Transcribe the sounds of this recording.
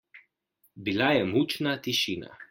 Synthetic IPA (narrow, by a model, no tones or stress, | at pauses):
bilajɛmut͡ʃnat̪iʃiːna̰